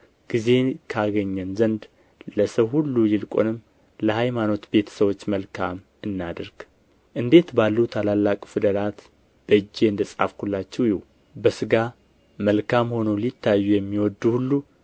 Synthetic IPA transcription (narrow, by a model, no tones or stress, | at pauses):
ɡ̥ize̞kʰaɡəɲːɛnzənd̪ | ləsəwhulːujɪlkʷʼo̰nɨmː | ləhajmano̞t̪be̞t̪ʰə̥səwo̞t͡ʃːməlkʰam | ɨnːad̪əɾɡ̥ | ʔɨnd̪e̞t̪balːut̪ʰalalːakʼfɨd̪əlat̪ | b̥əd͡ʒːe̞ɨnd̪əsʼa̰fkʰulːat͡ʃːɛwjiwu | bəsɨɡa | məlkʰamho̞nolit̪ːajːujɛmːiwɔd̪ːuhulːu